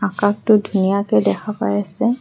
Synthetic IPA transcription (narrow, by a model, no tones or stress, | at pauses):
akak̚tʊdʱunijakɛdɛkʰapa̰jasɛ